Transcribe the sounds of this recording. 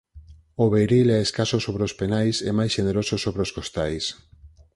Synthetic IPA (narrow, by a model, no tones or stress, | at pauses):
oβeɾilɛeskasosoβɾeospenajsɛmajsʃeneɾososoβɾeoskost̪ajs